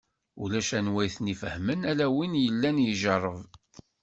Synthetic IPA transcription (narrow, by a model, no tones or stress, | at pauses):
ṵlæʃænwæjθnifəhmənælæwinjəlːænjəʒərˤːəv